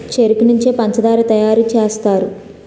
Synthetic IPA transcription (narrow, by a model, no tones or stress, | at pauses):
t͡ʃeɾikniɲt͡ʃeːpɐɲt͡ʃɐd̪aːɾit̪ɐjaːɾut͡ʃeːst̪aːɾu